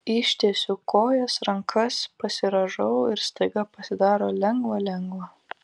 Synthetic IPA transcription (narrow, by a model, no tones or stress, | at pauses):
ɪʃʲt̪ʲeːsʲukoːjɛsɾɐŋkʰɐspɐsʲɪɾɐʒɐʊɪɾst̪ɐɪɡɐpɐsʲɪd̪ɑːɾoːlʲɛŋɡʋɐlʲɛŋɡʋɐ